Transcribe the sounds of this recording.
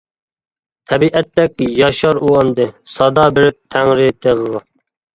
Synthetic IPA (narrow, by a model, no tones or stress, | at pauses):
t̪ʰɛbiʔɛt̪ːɛkʲjɑʃɑɾuɑnd̪ɨsɑd̪ɑbɪɾɪp̚t̪ʰæŋɾɪt̪ʰeʁəʁɑ